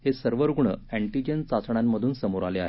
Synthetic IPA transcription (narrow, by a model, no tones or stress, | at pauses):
hesəɾʋəɾɡuɳə̰æɳʈid͡ʑənt͡sat͡sɳamːəd̪ʱuːnsəmoɾalea̰ɦe